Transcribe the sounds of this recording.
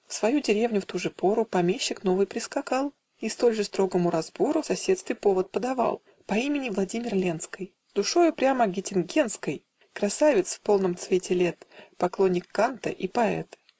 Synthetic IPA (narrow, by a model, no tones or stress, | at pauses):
fsvɐjudʲɪɾʲevnʲʊft̪uʐɨpo̞ɾʊpɐmʲeɕːɪkno̞vɨjpɾʲɪskɐkalˠ | ist̪o̞lʲʐɨst̪ɾo̞ɡəmʊɾɐzbo̞ɾʊsɐsʲet̪st̪vʲɪpo̞vət̪̚pəd̪ɐva̰lˠ | pɐimʲɪnʲɪvlˠɐdʲimʲɪrlʲent̪skəj | zd̪ʊʂo̞jʊpɾʲaməɡʲɪtʲɪnɡʲent̪skəj | kɾɐsavʲɪt̪sfpo̞lˠnəmt̪svʲetʲɪlʲet̪pɐklˠonʲːɪkːant̪ə̰ʔipɐɛ̰t̪